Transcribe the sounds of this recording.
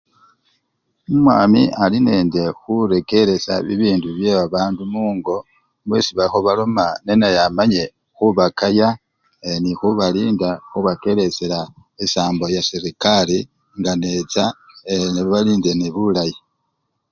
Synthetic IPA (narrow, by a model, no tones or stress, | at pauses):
umwaːmḭʔaline̞ːnde̞xuɾe̞ke̞ɾe̞sa̰βiβiːnduβje̞βaβaːndumuːŋɡo̞ | mwesiβaxo̞βalo̞mane̞najamaɲe̞ | xuβakaja | enixuβaliːndaxuβake̞ɾe̞selaesaːmbo̞jasiɾikali | ŋɡane̞t͡sa | eniββaliːnde̞neβulaji